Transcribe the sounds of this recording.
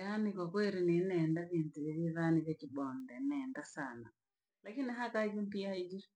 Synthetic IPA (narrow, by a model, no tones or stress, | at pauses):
anikwakweɾinenɛndaβintuβɛβjiβaniβjakiɓɔndɛnɛndasana̰ | lakiniɦakaid͡ʒim̩piaid͡ʒi